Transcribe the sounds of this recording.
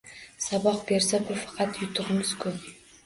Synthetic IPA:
sɑbɑq̚beɾsebʊfɑ̥qɑt̪jʊt̪əʁəməzkʰʲɵp

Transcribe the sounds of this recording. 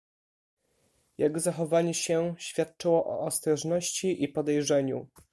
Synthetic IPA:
jaɡzaxɔvaɲɛɕɛɕfʲjat̪̚t͡ʂɛwɔʔɔ̰ːst̪ɾɔʐnɔɕt͡ɕiʔipɔd̪ɛjʐɛɲu

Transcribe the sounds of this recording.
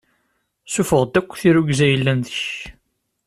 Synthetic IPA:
sufəʁˤd̪ækʷːθiɾuɡzæjəlːænðəç

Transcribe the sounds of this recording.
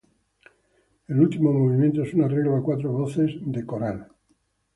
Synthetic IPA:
elult̪imo̞moβimjent̪oesunareɣloakwat̪ɾoβoθezd̪e̞koɾal

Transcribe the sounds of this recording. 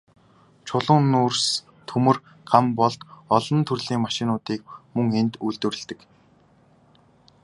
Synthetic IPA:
t͡ɕʰʊɮʊːnuːrs | t̪ʰɵmɵ̆r | kʰampɔɮt̪ɔɮɞ̆nt̪ʰɵrɮiːŋmaʃɪ̆nʊːt̪iːk̚mɵŋent̪ujɮt̪wɘ̆rɘ̆ɮt̪ɘ̆k

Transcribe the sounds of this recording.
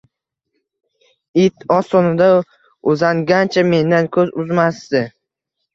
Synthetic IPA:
ɪt̪ʰɒsɒnɪd̪a | ʊzaŋɡʲant͡ʃʰame̞nd̪ankʲʰɵzʊzmasd̪ɪ

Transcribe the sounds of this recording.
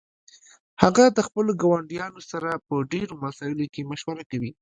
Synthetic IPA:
haɣad̪əxpəloɡɑwaɳɖijɑnosaɾapəɖeɾomasɑɪlokemaʃwaɾakawi

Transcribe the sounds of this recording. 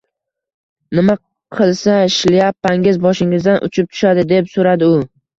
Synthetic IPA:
nɪma | qʰɨlˠsaɪʃlɪjapːaŋɪzbɒʃɪŋɪzd̪anʔʊ̰t͡ʃʰɪp̚t̪ʰʊ̥ʃad̪ɪd̪e̞psoɾad̪ɪʊ

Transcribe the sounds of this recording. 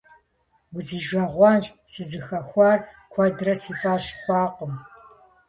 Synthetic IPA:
wʊziːʒʷɐʁʷɑːnʒ | sizɨxɐxʷɑːr | kʷʰɔdrɐsiːfʼaːɕxʷɑːqʷəm

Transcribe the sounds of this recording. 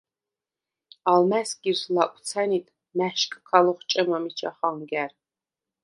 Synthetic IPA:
almæsɡʲʼizlaʔʷʼt͡sʰanit̪ʼ | mæʃkʰʼkʰalɔχt͡ʃʼɐmamit͡ʃʰʼa̰χaŋɡʲær

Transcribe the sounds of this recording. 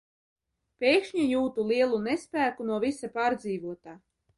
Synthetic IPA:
pʲejkʃɲajuːt̪ulˠiɛlˠunespʲæːkunuɔvisapaːɾd̪ziːvuɔt̪aː

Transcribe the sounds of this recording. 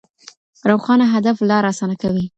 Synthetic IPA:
ɾawxɑnaɦad̪aflɑɾɑsɑnakawi

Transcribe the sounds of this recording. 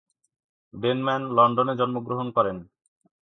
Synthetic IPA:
ɖenmɛnlɔɳɖoned͡ʑɔnmoɡɾoɦonkɔɾen

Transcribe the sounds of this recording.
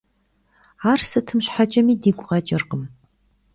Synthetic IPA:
aːrsɨtʰɨmɕħat͡ʃʼɐmiːdiːɡʷʼʊʁɐt͡ʃʼɪrqəm

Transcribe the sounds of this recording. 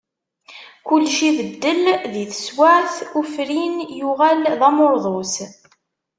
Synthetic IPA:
kʊlːʃiðəd̪ːəlðiθə̥swaʕθufɾinjuʁælðæmoɾˤðˤos

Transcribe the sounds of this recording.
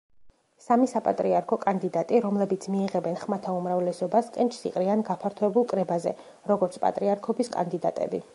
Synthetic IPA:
samisapʼa̰t̪ʼɾiaɾkʰɔkʼand̪id̪at̪ʼiɾɔmlɛbit̪sʰmiːʁɛbɛnχmat̪ʰaumɾavlɛsɔbaskʼɛnt͡ʃʰsḭqʼɾianɡapʰaɾt̪ʰɔɛbulˠkʼɾɛbazɛ̰ | ɾɔɡɔɾt̪sʰpʼa̰t̪ʼɾiaɾkʰɔbiskʼa̰nd̪id̪a̰t̪ʼɛ̰bi

